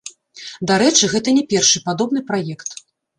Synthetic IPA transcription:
d̪aɾɛt͡ʂɨɣɛt̪ɐnʲɛpʲɛrʂɨpad̪ɔbn̪ɨpɾajɛkt̪

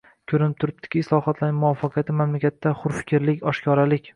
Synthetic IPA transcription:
kʲʰɵɾɪnɪp̚t̪ʰʊɾɪp̚t̪ʰɪ̥kʲɪɪslˠɒhɒt̪ʰlanɪmʊwɒfːaqʰijat̪ʰɪmamlakʲat̪ʰːaχʊɾfɪ̥kʲʰɾlɪkʲɒʃkʲʰɒɾalɪkʲ

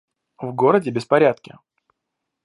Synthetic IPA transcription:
vɡo̞ɾədʲɪbʲɪspɐɾʲat̪kʲɪ̰

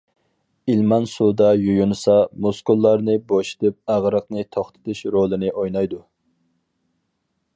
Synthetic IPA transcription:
ilmɑnsud̪ɑjujunɨsɑmoskulˠːɑɾnɨboʃi̥t̪ɨp̚æʁɾəqnɨt̪ʰoχt̪ʰɨ̥t̪ʰɨʃɾolˠɨnɨʔojnɑjd̪u

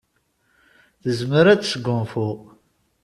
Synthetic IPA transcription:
θəzməɾæt͡ssəɡʊmfu

